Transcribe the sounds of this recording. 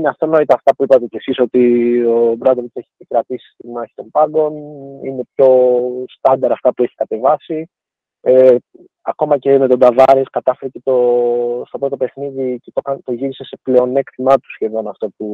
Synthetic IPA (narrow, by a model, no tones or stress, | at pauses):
ineɐft̪o̞no̞it̪ɐːft̪ɐpuipɐt̪e̞ce̞siso̞t̪io̞bɾɐd̪oieçikɾɐt̪isi̥st̪imɐçi̥t̪o̞mbɐɡo̞nine̞pço̞st̪ɐnd̪ɐɾɐːft̪ɐpue̞çi̥kɐt̪e̞vɐsi | e | ɐ̰ko̞mɐce̞me̞t̪o̞d̪ɐvɐɾeskɐt̪ɐfeɾecet̪o̞st̪o̞pɾo̞t̪̬o̞pe̞xniðicet̪okɐnt̪o̞ʝiɾise̞se̞ple̞o̞ne̞kt̪imɐt̪u̥sçe̞ðo̞nɐft̪o̞pu